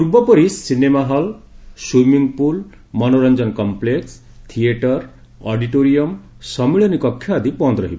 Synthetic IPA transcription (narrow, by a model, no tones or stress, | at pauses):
puɾbʌpʌɾisinemaɦʌlsumiŋɡpul | mʌnoɾʌnd͡zʌnkɔmpleks | t̪ʰieʈʌɾ | ɔɖiʈoɾijʌm | sʌmiɭʌnikʌkʰːjaːd̪ʱipɔ̃nd̪ɾʌɦib